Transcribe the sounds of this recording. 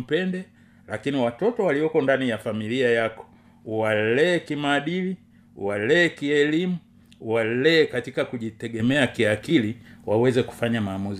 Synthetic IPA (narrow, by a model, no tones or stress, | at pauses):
pɛndɛ | lakiniwatɔtɔwaliɔkɔndanijafamiliajakɔ̥ | wallɛːkimaːɗili | walɛːkiɛlimu | walɛːkatikakuʄitɛɠɛmɛakiakiliwawɛzɛku̥faɲamaːmuzi